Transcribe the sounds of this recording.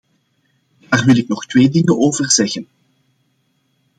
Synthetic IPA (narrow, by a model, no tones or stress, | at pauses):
d̥aːrʋɪlɪknɔxtweːdɪŋənoːvərzɛɣən